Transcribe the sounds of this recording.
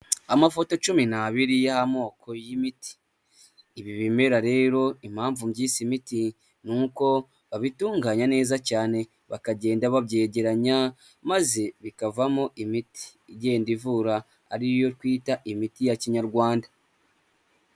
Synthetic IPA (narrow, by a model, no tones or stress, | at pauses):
amafo̞to̞t͡ʃuminaβiɾijahamo̞ːkʰo̞jimiti̥ː | βiβime̞ɾaɾe̞ːɾo̞im̥haːɱvumɟiːsimiti | nuko̞ | βaβituːŋɡaɲane̞ːzacaːne̞ | βa̰kaɟe̞ːndaβaβɟe̞ːɟe̞ɾaɲa | maze̞βikavamoʔimiti̥jeːndivuɾaː | ɾijo̞ɾkwiːtaʔimitijaciɲaɾɡwaːnda